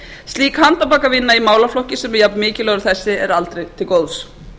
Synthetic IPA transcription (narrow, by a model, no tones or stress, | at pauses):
st̪liːkhant̪apaːkavɪnːaimaːwlaflɔhcɪsɛmjapnmɪːcɪlœɣɾʏθɛsːɪɛɾalt̪ɾejt̪ʰɪlkoːwðs